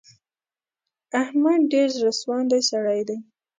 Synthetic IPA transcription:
ahmad̪̚ɖeɾzɾaswɑnd̪ajsaɽajd̪aj

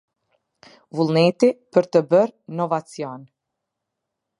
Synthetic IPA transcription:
vulˠnɛt̪ipəɾt̪əbəɾnɔvat͡sjɔn

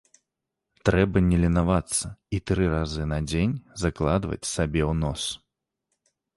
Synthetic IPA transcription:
t̪ɾɛbɐnʲɛlʲinavat̪sːɐit̪ɾɨɾazɨnɐd͡zʲenʲzaklˠad̪vɐ̰t͡sʲsabʲɛwnɔs

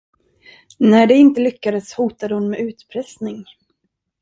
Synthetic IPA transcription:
næɖɛɪnt̪əlʏkːad̪əshuːt̪ad̪əhʊnmɛʔʉ̟ːt̪pʰɾɛsnɪŋ

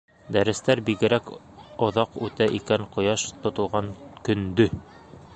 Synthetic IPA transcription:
d̪æɾɘ̆st̪æɾbiɡɘ̆ɾæk | ŏðɑqʉt̪æʔikæɴqŏjɑʃt̪ŏt̪ŏlˠʁɑŋkɵ̆nd̪ɵ

